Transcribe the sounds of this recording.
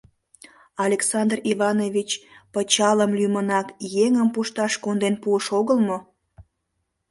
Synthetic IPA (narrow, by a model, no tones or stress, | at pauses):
ɑlʲeksɑnd̪riβɑnovʲit͡ɕpət͡ɕɑləmlymənɑkjeŋəmpuʃt̪ɑʃkond̪enpuəʃoɣəlmo